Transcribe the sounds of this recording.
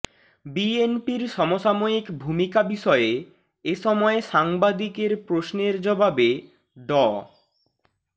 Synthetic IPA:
bienpiɾʃɔmoʃamoikbʱumikabiʃɔee | eʃɔmɔeʃaŋbad̪ikeɾpɾosneɾd͡ʑɔbabe | ɖɔ

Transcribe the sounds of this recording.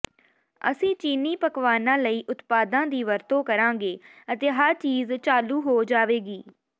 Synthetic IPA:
ə̰sĩːt͡ʃiːniːpəkʋaːnãːləiːʔʊt̪paːd̪ãːd̪iːʋəɾt̪õːkəɾãːɡeːət̪eːɦəɾt͡ʃiːzt͡ʃaːluːɦoːd͡ʒaːʋeːɡiː

